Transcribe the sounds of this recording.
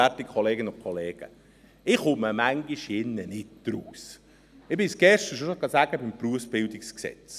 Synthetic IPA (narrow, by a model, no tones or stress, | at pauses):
ætɪkʰɔleːɡənʊnkʰɔleːɡ̥ə̰ | ɪχʊməmæŋɡiʃjɪnːənɪt̚d̥ɾuːs | ɪbɪsɡ̥ɛʃtəʃoʃoɡɑsæːɡ̥əbɪmpruəfsb̥ɪldɪksksɛ̰t͡s